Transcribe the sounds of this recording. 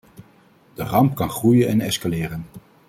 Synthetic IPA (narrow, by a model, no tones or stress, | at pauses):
d̥ərɑmpkɑnχrujənɛnɛskalɪːrən